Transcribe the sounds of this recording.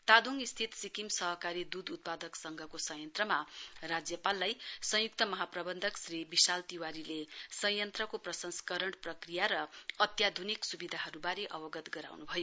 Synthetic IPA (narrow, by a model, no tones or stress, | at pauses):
t̪ad̪uŋist̪ʰit̪sikimsʌɦʌkaɾid̪ud̪ut̪̚pad̪ʌksʌŋɡʱʌkosʌjʌnt̪rʌmarad͡zjʌpalːajsʌ̃juk̚t̪ʌmʌɦaprʌbʌnd̪ʱʌksribisalt̪iwaɾilesʌjʌnt̪rʌkoprʌsʌnskʌɾʌɳprʌkrijaɾʌːt̪jad̪ʱuniksubid̪ʱaɦʌɾubaɾeʔʌbʌɡʌt̪ɡʌɾa̰wnubʱʌjo